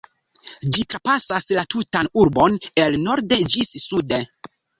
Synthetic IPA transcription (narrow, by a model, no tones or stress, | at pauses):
d͡ʒitɾapasaslatutanuɾbo̞nelno̞ɾde̞d͡ʒissude